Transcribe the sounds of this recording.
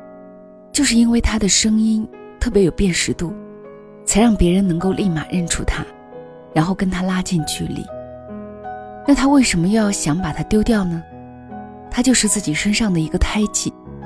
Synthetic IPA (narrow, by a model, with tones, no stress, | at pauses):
t͡ɕjo˥˧ʊʂ̬ɻ̩˥˩i˥nwe˥˩ɪt̪ʰa˥d̪ə˨ʂɤ˥ŋi˥n | t̪ʰɤ˥˩p̬jɛ˧˥jo˨˩ʊpjɛ˥˩nʂɻ̩˧˥t̪u˥˩ | t͡sʰa˧˥ɪɻɑ˥˩ŋpjɛ˧˥ɻə˧˥nnɤ˧˥ŋko˥˧ʊlʔi˥˩ma˨˩ɻə˥˩nʈ͡ʂʰṵ˥˩t̪ʰa˥ | ɻa˧˥nxo˥˩ʊkə˥nt̪ʰa˥la˥t͡ɕjɛ˥˧nt͡ɕʰy˥˩lḭ˨˩˦ | na˥˩t̪ʰa˥we˥˩ɪʂə˧˥nmə˧jɑ˥˩ʊɕjɑ˧˥ŋpa˨˩t̪ʰa˥t̪jo˥ʊt̪jɑ˥˩ʊnə˩ | t̪ʰa˥t͡ɕjo˥˧ʊʂɻ̩˥˧t͡sɹ̩˥˩t͡ɕi˨˩ʂə˥nʂɑ˥˩ŋd̪ə˩i˧˥ɡə˧t̪ʰa˥ɪt͡ɕʰi˨˩˦